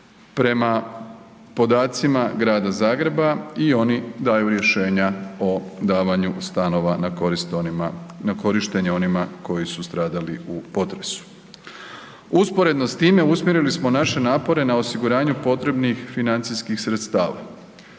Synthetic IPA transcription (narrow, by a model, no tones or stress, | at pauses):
pɾe̞ma | po̞d̪aːt̪simaɡɾaːd̪azaːɡɾe̞baio̞nid̪aːjuɾje̞ʃe̞ːɲao̞d̪aːʋaɲust̪ano̞ʋa | nako̞ɾiʃt̪e̞ɲeo̞nimako̞jisust̪ɾaːd̪aliupo̞t̪ɾe̞su̥ | uspoɾe̞d̪nost̪iːme̞usmjeɾilismo̞naʃe̞naːpo̞ɾe̞nao̞siɡuɾaːɲupo̞t̪ɾe̞bnixfinant̪siskixsɾe̞t̪st̪aːʋa̰